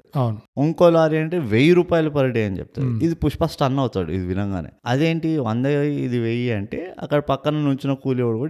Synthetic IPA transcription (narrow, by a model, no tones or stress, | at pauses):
ɐwnuoŋkoːlaːɾiɐɳʈeːʋejiɾuːpaːjɐlupɐɾɐɽejɐnit͡ʃɛ̰p̚t̪a̰iid̪ipuʂpasʈɐnːɐwut̪a̰ːɽṵḭd̪iʋinɐŋɡa̰ːnḛːɐd̪e̞ːɳʈiɐnd̪ɐid̪iʋejiɐɳʈe̞̰ːɐ̰kːɐɽɐpɐkːɐnɐnuɲt͡ʃinɐkuːleʋɐɽɡoi